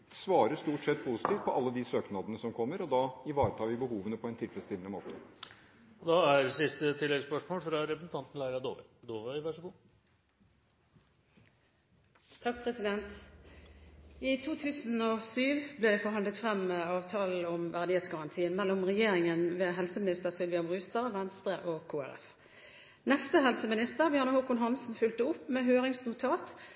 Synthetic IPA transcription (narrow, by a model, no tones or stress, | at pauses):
sʋɑːɾəst̪uːʈsɛt̪̚ːpʰusɪ̥t̪iːʋt̪̚pʰɔʔɑlːəd̪ɪsøːknɑd̪ənəsɔmkʰɔmːəɾɔd̪ɑɪʋɑːɾət̪ʰɑːʋɪbəhuːʋənəpʰɔɛnt̪ʰɪlfɾɛst̪ɪlənəmo̰ːt̪ə | ɔd̪ɑæɾsɪst̪ət̪ʰɪlːɛɡspœʂmoːlfɾɑɾɛpɾsn̩t̪ɑnt̪n̩læɪɾɑd̪o̰ːʋə̰d̪oːʋəʋæʂəɡuː | t̪ʰɑk̚pʰʁɛsɪd̪ɛnt̪ | iːt̪ʰuːt̪ʰʉːsn̩oːsyːʋbleːd̪ɛfɔʁɦɑnlət̪fʁɛmːeɑːʋt̪ʰɑːl̩ɔmʋæʁd̪ɪheːt̪sɡɑʁɑnt̪ʰiːənmɛlːʊmʁɛjeːʁɪŋənʋeːɦɛlsəmɪnɪst̪əʁsɪlʋɪɑmʁʉːst̪ɑʋɛnst̪ʁəʔoːkʰoːæ̰ʁɛ̰f | nɛst̪əɦɛlsəmɪnɪst̪əʁbjɑːʁnəhokʊnɦɑnsn̩fʉlt̪əʊpːmeːhøːʁɪŋsnʊt̪ʰɑːt̪